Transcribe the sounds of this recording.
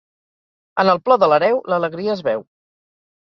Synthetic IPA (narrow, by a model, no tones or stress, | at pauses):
ənəlˠplɔðələɾɛwlələɣɾiəːzβɛw